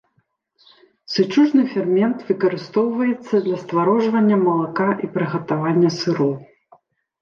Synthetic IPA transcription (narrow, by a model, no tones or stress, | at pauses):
sɨt͡ʂuʐnɨfʲɛrmʲɛnt̪vɨkɐɾɨst̪ɔwvɐjɛt̪sːɐd̪lʲɐst̪vaɾɔʐvɐnʲːɐmɐlˠakaʔipɾɨɣɐt̪avanʲːɐsɨɾɔw